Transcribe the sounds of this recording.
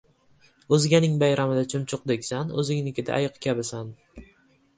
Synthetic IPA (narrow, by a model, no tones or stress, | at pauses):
ɵzɪɡʲanɪŋbajɾamɪd̪at͡ʃʰʊmt͡ʃʰʊq̚d̪ekʲsanɵ̰zɪŋnɪkʲɪd̪a̰ʔːjɨqkʲʰabɪsan